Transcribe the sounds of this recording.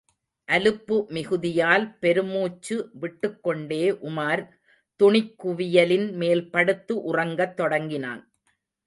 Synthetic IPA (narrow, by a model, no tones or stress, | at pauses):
ʔɐlɯpːɯmɪɣɯðɪjaːlpɛɾɯmuːt͡ʃːɯʋɪʈːɯkːɔɳɖeːʔʊmaːɾ | t̪ʊɳɪkːʊʋɪjɐlɪnmeːlpɐɽɯt̪ːɯʔʊrɐŋɡɐt̪ːɔɽɐŋɡɪna̰ːn